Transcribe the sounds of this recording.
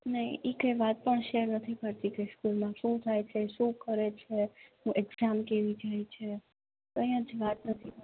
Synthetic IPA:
nəɦĩʔikəjʋat̪̚pəɳʃeɾnət̪ʰikəɾt̪ikəjskulmãʃũt̪ʰajt͡ʃʰeʃũkəɾet͡ʃʰeɦũʔɛɡzamkeʋid͡ʒajt͡ʃʰe | kəjə̃d͡ʒʋat̪nət̪ʰi

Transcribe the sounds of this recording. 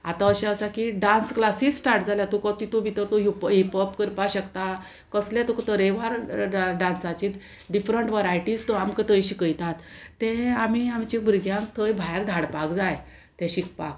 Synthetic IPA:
at̪ãəɕãəsakiɖãnsklasiːssʈaɾʈd͡zʱaljat̪ukət̪it̪ubʱit̪əɾt̪uɦipɦipəpkəɾpaɕəkt̪a | kəslɛ̃t̪okt̪əɾeʋaɾɖãnsat͡ɕiːt̪ | ɖifɾəɳʈʋəɾajʈid͡zt̪oamkət̪əjɕikəjt̪at̪ːɛ̃am̤iamt͡ɕibuɾɡjãŋk̚t̪ʰəjbʱajɾd̪ʱaɽpakd͡zaj | t̪ɛ̃ɕik̚pa̰k̚

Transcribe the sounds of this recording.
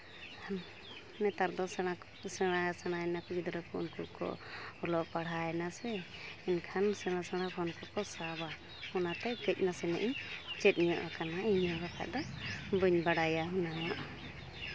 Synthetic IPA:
anː | ɛt̪aɾd̪ɔsɛɽ̃a | sɛɽ̃asɛɽ̃aɛnakɔɡid̪ɾɔkɔunkuɾkɔ̰ɔlɔʔpaɽ̤aɛnasɛinkʰansɛɽ̃asɛɽ̃akʰɔnkɔkɔsaba | hɔnat̪ɛɡəc̚nasɛnɛ̰ʔit͡ʃɛt̪̚ˀɲijɔʔakanaiɲaɡakʰa̰ʔd̪ɔbuɲbaɽajaɦunawaʔa

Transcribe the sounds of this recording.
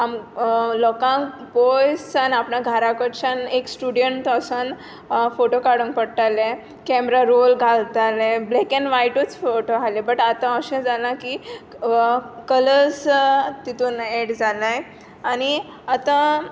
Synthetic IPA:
amlɔkãŋpojsanapnãɡʱaɾakəʈt͡ɕãneksʈuɽijəɳʈ̪əsən | foʈokaɽəŋk̚pəɽt̪alẽ | kɛmɾaɾolɡʱalt̪alẽblekenʋajʈut͡sfoʈoɦalebəʈat̪ãəɕə̃d͡zalãki | kələd͡zt̪it̪uːneɽd͡zalaj | añi | at̪ã

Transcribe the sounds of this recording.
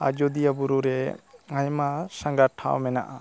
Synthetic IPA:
a̰d͡ʒod̪ijabuɾuɾɛŋajmasãŋɡaʈʰa̰wmɛnaʔa

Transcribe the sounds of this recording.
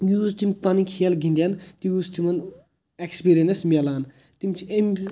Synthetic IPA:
juːzt̪imʲpɐnikʰijɐlɡind̪ʲjɐnt̪ijuzt̪ʰimɐn | ekspiɾienesmʲɐlaːn | t̪imt͡ʃʰiemʲ

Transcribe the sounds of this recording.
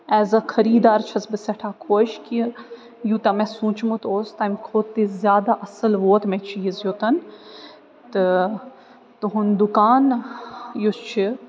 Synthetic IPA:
ɛːzɐkʰɐɾiːd̪aːɾt͡ʃʰɐsbɨsɐʈʰaːkʰoːʃki | jut̪ɐmẽsũːt͡ʃmut̪oːst̪ɐmʲkʰoːt̪ːizʲjaːd̪aʔɐsɨlʋoːt̪mẽt͡ʃʰiizjot̪ɐn | t̪ɨ | t̪ɨɦund̪ukaːn | jot͡ʃʰi

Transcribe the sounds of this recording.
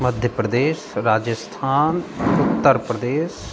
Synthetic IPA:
məd̪ʱjəpɾəd̪eːsɾaːd͡ʒəst̪ʰaːnʊt̪ːəɾpɾəd̪eːs

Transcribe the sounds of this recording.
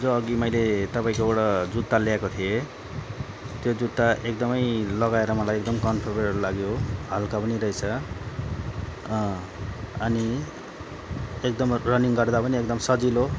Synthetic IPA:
d͡zoʌɡimʌjlet̪ʌpaĩkoeɽʌd͡zut̪ːaljaekot̪ʰije | t̪jod͡zut̪ːaʔekd̪ʌmʌjlʌɡaeɾʌmʌlajek̚d̪ʌmkʌnpʰorbeʌlaɡjohalkapʌniɾʌjt͡sʰʌ | ʌni | ek̚d̪ʌmrʌniŋɡʌrd̪apʌniekd̪ʌmsʌd͡zilo

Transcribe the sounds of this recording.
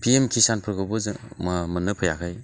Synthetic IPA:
pʰiemkʰisanpʰɯɾɡɯbɯzɯmamɯnɯpʰɯjakʰaj

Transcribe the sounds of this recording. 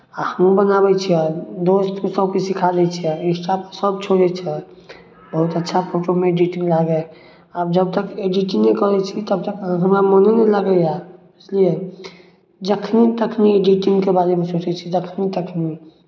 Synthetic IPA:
ahəmubənabɛt͡ʃʰiɛd̪oːst̪kosəbkesikʰalɛt͡ʃʰiɛɪsʈapəsəb̚t͡ʃʰoɽɛt͡ʃʰɛ | bəɦʊt̪ətːʃʰapʰoʈomẽeɖiʈĩŋɡlaɡɛ | əbd͡ʒəb̚t̪əkeɖiʈinekəɾɛt͡ʃʰit̪əb̚t̪əkɦəɦəmamoneneləɡəja | ɪslie | d͡ʒəkʰnit̪əkʰnieɖiʈɪ̃ŋɡkebaːɾemẽsoːt͡ʃɛt͡ʃʰid͡ʒəkʰnit̪əkʰni

